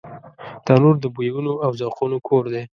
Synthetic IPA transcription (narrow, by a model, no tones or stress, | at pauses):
d̪̥ɑnoɾd̪əbujawunoawzaqunokʰoɾd̪e